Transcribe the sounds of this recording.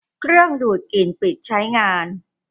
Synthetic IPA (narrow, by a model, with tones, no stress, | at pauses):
kʰɾɯ˥˩əŋduː˨˩t̪̚ki˨˩npi˨˩t̪̚t͡ɕʰa˦˥jŋaː˧n